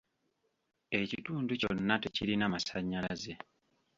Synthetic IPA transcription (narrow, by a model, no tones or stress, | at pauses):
e̞cituːnduconːateciɾinamasaɲːalaze̞